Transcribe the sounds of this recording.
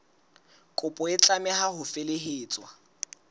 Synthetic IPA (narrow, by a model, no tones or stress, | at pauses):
kʼʊpʼɔɪt͡ɬʼamɛhahʊfeleɦeːt͡sʼwa